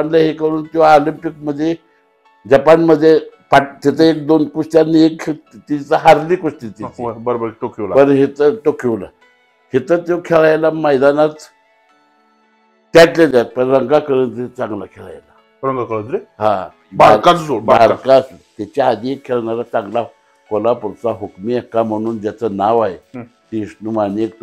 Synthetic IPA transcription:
anlaɦekəɾuːnt̪joalimpik̚məd̪ʱːje | d͡ʑapanməd̪ʱːjepat̪it̪ʰəek̚d̪onkuʂʈjanːiekʰt̪it͡səɦaɾlikoʂʈit̪ibəɾbəɾʈokʰiʋlapənɦit̪əʈokʰiʋla̰ | hit̪əɾt̪jokʰeɭajlaməjd̪anat̪ | t̪atled̪ʲapaɾɾaŋɡakaɾənd͡zit͡saŋɡlakʰʲaɾa̰la | ɾaŋɡakanɾiha | baɾɾkabaɾkast̪it͡ʃahad̪ikʰalanaɾat̪aŋɡla | kʷalapoɾt͡saɦukmiakamonund̪at͡sanawaj | t̪iʃnumanik̪̚

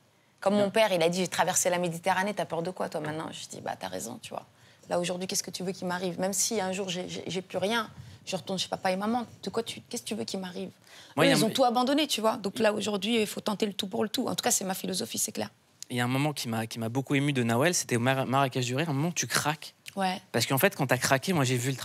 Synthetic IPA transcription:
kɔmːɔ̃pɛʁilad̪iʒet̪χavɛʁselamed̪it̪eʁanet̪yapœʁd̪əkwat̪wamɛ̃t̪nɑ̰̃ʒəd̪ḭba̰t̪ya̰ʁḛzɔ̰̃t̪yvwa̰ | laoʒuʁd̪ɥikʲɛskət̪yvøkʲilmaʁivmɛmsiɛ̃ʒuʁʒeʒɛ̰ʒɛplyʁjɛ̃ʒ̥əʁət̪uʁnʃe̥papaemamɑ̃d̪̥əkwat̪ʰykʲɛskət̪yvøkʲilmaʁiv | mwailzɔ̃t̪uabɑ̃d̪ɔnet̪yvwad̪ɔ̃klaoʒuʁd̪ɥiifot̪ɑ̃t̪elət̪upuʁlət̪uɑ̰̃t̪u̥kasɛmafilɔzɔfisɛklɛ̰ʁ | jaɛ̃mɔmɑ̃kʲʰimakʲimabokuemyd̪ənɔɛlse̥t̪ɛomamaʁakʲaʒd̪yʁeɛ̃mɔmɑ̃ut̪ykχakʲwɛpaʁsə̥kəɑ̃fɛt̪kɑ̃t̪akχakʲemwaʒevylt̪

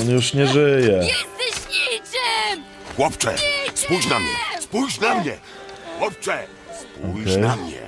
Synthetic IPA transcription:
ɔnjuʂɲɛʐɘjɛɕɲit͡ɕɛ | xwɔpt͡ʂɛ̰spujd͡ʑnamɲɛ̰spujɕnamɲɛ̰ | xwɔp̚t͡ʂɛ | spuɔjkɛj̪amɲɛ̰

